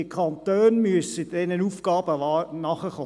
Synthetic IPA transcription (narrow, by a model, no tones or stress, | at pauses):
ɪkʰɑnt̪øːnmyəsəd̥ɛnənufɡ̥ɑːbəɑnɑχəχo